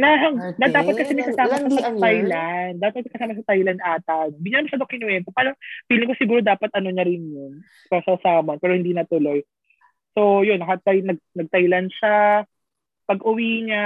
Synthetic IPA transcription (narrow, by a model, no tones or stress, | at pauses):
nɐɦɐŋnɐd̪aːpɐt̪kɐsɛnɐɡ̚sɐsaːmɐsɐsɐɐt̪ajland̪aːpɐt̚ɐt̪̚mɐkɐsaːmɐsɐt̪ajlɐnʔaːt̪anobɪɡanamosɐd̪okɪnuwɛnkopaːlɐb̥iːlɪŋkosɪɡuːɾod̪aːpɐt̪̚ʔɐno̞ɲɐɾɪnjon | pɐsɐsaːmonpɛːɾohɪnd̪inɐt̪ʊlo̞j | sojonːɐhɐt̪̚bɐjnɐɡ̚nɐɡ̚t̪ɐjlɐnʃa | pɐɡʔʊwiːɲa